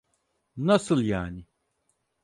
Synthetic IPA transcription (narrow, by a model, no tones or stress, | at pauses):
nɐsɨljaːni